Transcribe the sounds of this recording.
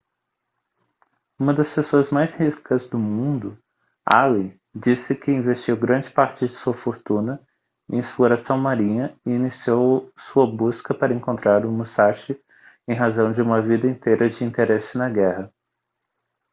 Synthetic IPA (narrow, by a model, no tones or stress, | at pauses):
ũmɐd̪ɐspesoɐzmajzhiskɐzd̪ʊmũnd̪ʊ | a̰li | d͡ʒisɪkɪĩvest͡ʃiwɡɾɐ̃d͡ʒɪpaɾt͡ʃɪd͡ʒɪsuɐfoɾt̪ũnɐ | ẽsploɾasɐ̃w̃maɾĩɲɐɪinisiowsuɐbuskɐpaɾɐẽŋkõnt̪ɾaɾũmusaʃɪ | ẽj̃ɦazɐ̃w̃d͡ʒɪũmɐvid̪ɐẽnt̪ejɾɐd͡ʒɪĩnt̪eɾesɪnɐɡɛhɐ